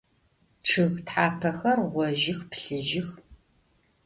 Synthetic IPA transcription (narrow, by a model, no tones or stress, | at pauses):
ʈ͡ʂʰɨɣtħaːpʰɐxɐrʁʷɔʒɪxpɬɨʒɪx